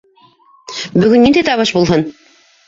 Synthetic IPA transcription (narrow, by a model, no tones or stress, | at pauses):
bɵ̆ɡɵnːind̪æjt̪ɑβɤʃbulˠɦɤn